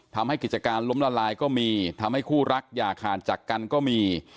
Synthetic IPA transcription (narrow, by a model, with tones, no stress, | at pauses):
t̪ʰa˧mha˥˩jki˨˩t̪̚t͡ɕa˧kaː˧nlo˦˥mlaː˧laː˧jkɔː˥˩miː˧t̪ʰa˧mha˥˩jkʰuː˥˩ɾa˦˥k̚jaː˨˩kʰaː˨˩nt͡ɕaː˨˩kːa˧nkɔː˥˩miː˧